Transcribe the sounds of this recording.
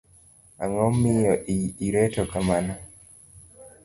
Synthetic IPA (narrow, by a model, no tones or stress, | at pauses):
a̰ŋɔmːɪjɔʔiiɾɛtɔkamana